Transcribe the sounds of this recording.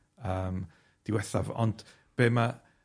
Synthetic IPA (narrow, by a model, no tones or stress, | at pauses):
əːm | d̥ɪwɛθavɔ̰nd̥ | b̥eːma